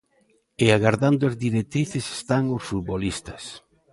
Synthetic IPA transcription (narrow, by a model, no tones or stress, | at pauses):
eaɣaɾðand̪oazðiɾek̚t̪ɾiθese̥st̪aŋosfut̪̚βolist̪ɐ̥s